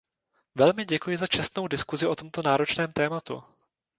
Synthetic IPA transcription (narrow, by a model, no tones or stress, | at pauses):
vɛlmɪɟɛkujɪzat͡ʃɛst̪no̞wdɪskuzɪʔo̞t̪o̞mt̪o̞naːɾo̞t͡ʃnɛːmt̪ɛːmat̪ṵ